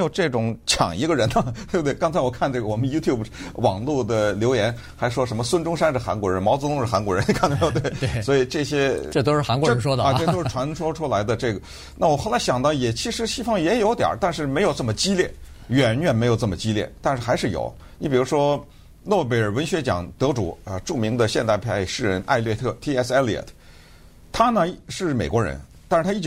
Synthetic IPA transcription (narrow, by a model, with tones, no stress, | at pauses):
jo˨˩ʊʈ͡ʂɤ˥˩ʈ͡ʂʊ˨˩ŋt͡ɕʰjɑ̰˨˩ŋi˧˥ɡə˧ɻə˧˥nə˧˩t̪we˥˩bt̪kɑ˥ŋt͡sʰa˧˥wɔ˨˩kʰa˥˧nʈ͡ʂɤ˥˩ɡə˩wɔ˨˩mə˦nju˥t̪ʰju˥˩bwɑ̰˨˩ŋlu˥˩d̪ə˩ljo˧˥ʊjɛ˧˥n | xa˧˥ɪ˧ʂwɔ˥ʂə˧˥mə˧swə˥nʈ͡ʂʊ˥ŋʂa˥nʂɻ̩˥˩xa̰˧˥nkwɔ˧˥ɻə˧˥nmɑ˧˥ʊt͡st̪ʊ˥ŋʂ̩˥˩xa˧˥nkwɔ˧˥ɻə˧˥n˧kʰnə˧˥˧t̪we˥˩ɪswɔ˧˥i˨˩ʈ͡ʂɤ˥˩ɕjɛ˥ʈ͡ʂɤ˥˩t̪o˥ʊʂɻ̩˥˩xa˧˥nkwɔ˧˥˧ə˧˥ʂwɔ˥d̪e˥˧o˥ʊɻ̩˥˩ʈ͡ʂʰwa˧˥nʈ͡ʂʰwɔ˥ʈ͡ʂʰu˥la˧˥ɪd̪ə˧ʈ͡ʂɤ˥˩ɡə˩ | na˥˩wɔ˨˩xo˥˩ʊla˧˥ɕjɑ˨˩ŋt̪ɑ˥˩ʊjɛ˨˩t͡ɕʰi˧˥ʂɻ̩˧˥ɕi˥fɑ˥˩ŋjɛ˧˥jo˧˥ʊt̪jɑ̰˨˩t̪a˥˧nʂɻ̩˥˩me˧˥ɪjo˨˩ʊʈ͡ʂɤ˥˩mə˩t͡ɕi˥ljɛ˥˩ɥɛ˨˩nɥɛ˨˩nm˧˥ɪjo˨˩ʊʈ͡ʂɤ˥˩mə˩t͡ɕi˥ljɛ̰˥˩t̪a˥˧nʂɻ̩˥˩xa˧˥ɪʂɻ̩˥˩jo̰˨˩ʊ | ni˧˥pi˨˩ɻu˧˥ʂwɔ˥ | nwɔ˥˩p̬e˧˩ɪə˞˨˩wə˧˥nɕɥɛ˧˥t͡ɕjɑ̰˨˩ŋt̪ɤ˧˥ʈ͡ʂṵ˨˩˦ʈ͡ʂu˥˩mi˧˥ŋd̪ə˧ɕjɛ˥˧nt̪a˥˧ɪpʰa˥˧ɪʂɻ̩˥˩ɻə˧˥nʔa̰˥˧ɪlɥɛ˥˧t̪ʰɤ˥˩t̪ʰi˥ɛ˥sɛ˥li˧ɛ̰˨˩t̪ʰ | t̪ʰa˥nə˨ʂɻ̩˥˩me˨˩ɪkwɔ˧˥ɻə̰˧˥nt̪a˥˧ʂɻ̩˥˩t̪ʰa˥i˥˩